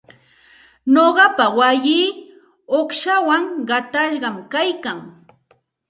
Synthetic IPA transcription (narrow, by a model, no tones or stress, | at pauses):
noɢɑpawajiː | oχʃawaŋɢɑt̪aʎɢɑmkajkaŋ